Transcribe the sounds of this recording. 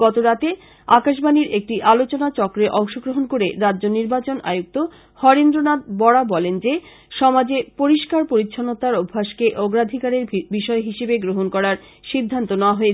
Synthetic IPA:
ɡ̥ɔt̪oɾat̪e | akaʃ̬baniɾek̚ʈiʔalot͡ɕonat͡ɕɔkɾeʔɔŋʃoɡɾoɦonkoɾeɾadʑoniɾbat͡ɕonʔa̰juk̚t̪o | hɔɾend̪ɾonat̪̚bɔɽabɔlend͡ʑe | ʃɔmad͡ʑepoɾiʃkaɾpoɾitːɕʰonot̪aɾobʱːaʃkeʔɔɡɾad̪ʱikaɾeɾbiʃɔeɦiʃebeɡɾoɦonkɔɾaɾ | ʃid̪ʱːant̪onɛoaɦoe

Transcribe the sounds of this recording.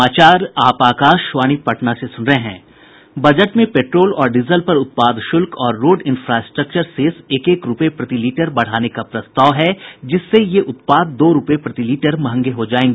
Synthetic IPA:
aːt͡ʃaːɾaːpaːkaːʃʃʋaːñipɐʈnasesʊnɾəɦeɦɛ̃ː | bɐd͡ʒəʈmẽpeːʈɾoːlɔːɾɖɪzəlpɐɾʊt̪̚paːd̪ʃʊlkʰɔːɾːoːɖɪ̃nfɾaːsʈɾək̚t͡ʃəɾseːseːkeːkɾʊpepɾɐt̪iliːʈəɾbɐɽ̤aːnekapɾɐst̪aːʋɦɛd͡ʒɪsːejeʔʊt̪̚paːd̪ːoːɾʊpepɾɐt̪iliːʈəɾmɐɦə̃ŋɡeɦod͡ʒaːẽːŋɡeː

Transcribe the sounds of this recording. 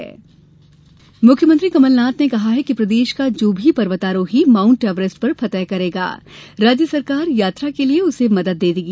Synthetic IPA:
mʊkʰjəmə̃nt̪ɾikɐməlnaːt̪nekɐɦaɦɛkipɾɐd̪eːʃkad͡ʒoːbʱipɐɾʋət̪aːɾõɦimãːʊ̃ɳʈɛːʋɾɪsʈpɐɾpʰɐt̪əjkɐɾeːɡa̰ːɾaːd͡ʒjəsɐɾkaːɾjaːt̪ɾakelieʊsemɐd̪əd̪ːeːd̪iːɡi

